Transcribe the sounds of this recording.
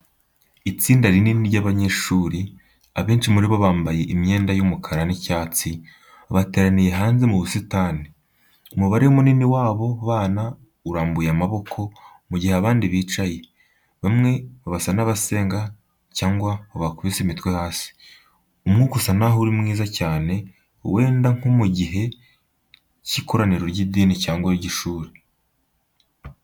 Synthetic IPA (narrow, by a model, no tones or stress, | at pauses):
it͡siːndaɾininiɾɟaβaɲe̞ʃuːɾi | aβe̞ːnʃimuɾiβoβaːmbaje̞ʔimɲe̞ːndajumukʰaɾanicaːt͡si | aβate̞ːɾanije̞ɦaːnzemuβusitaːni | umuβaɾeumuniniwaːβo̞βaːna | uɾaːmbujamaβo̞kʰo̞ | muɟiheaβaːndiβiːt͡ʃaje̞ | βamŋe̞βaβasanaβase̞ːŋɡa | caːŋɡwaoβakuβisemitwehaːsi̥ | umŋuːkusanaɦuɾimŋiːzacaːne̞ | we̞ːndaŋ̥umuɟiɦe̞ | cikʰo̞ɾaniɾoɾɟidiːnicaːŋɡwaiɟiʃuːɾe